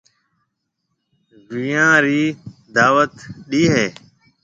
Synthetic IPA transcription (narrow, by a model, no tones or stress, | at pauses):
ʋijãːɾiːd̪aːʋət̪ɗiːɦeː